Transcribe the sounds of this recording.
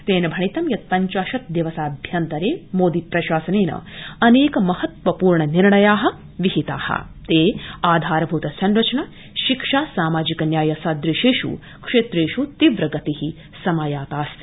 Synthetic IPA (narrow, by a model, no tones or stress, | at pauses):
t̪eːnɐbʱɐɳit̪ɐmjɐt̪̚pɐɲt͡ʃaːʃɐt̪d̪eʋɐsaːbʱjɐnt̪ɐɾeːmoːd̪ipɾɐʃaːsɐneːnɐ̰ɐneːkɐmɐhɐt̪ʋɐpuːɾɳɐniɾɳɐjaːɦɐ | ʋiɦit̪a̰ːhɐ̰ | t̪eːaːd̪ʱaːɾɐbʱuːt̪ɐsɐnɾɐt͡ʃɐnɐ | ʃikʂaːsaːmaːd͡ʒikɐnjaːjɐsaːd̪ɾiʃeːʂṵ | kʂeːt̪ɾeːʃut̪iʋɾɐɡɐt̪ihi | sɐmaːjaːt̪aːst̪i̥